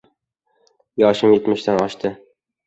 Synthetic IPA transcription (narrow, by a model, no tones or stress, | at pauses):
jɒʃɪmjet̪mɪʃt̪ænɒʃt̪ʰɪ